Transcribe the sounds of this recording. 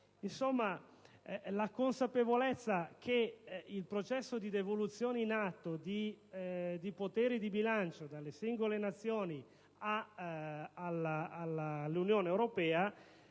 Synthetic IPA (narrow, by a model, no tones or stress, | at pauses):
insomːa | lakonsapevolet̪sːakʰeilpɾot͡ʃɛsːod̪id̪evolut̪sːjoːneinat̪ːod̪i | d̪ipot̪ɛːɾid̪ibilant͡ʃod̪alːesiŋɡolenat̪sːjoːni | a | alaːllːunjoːneːwɾopɛːa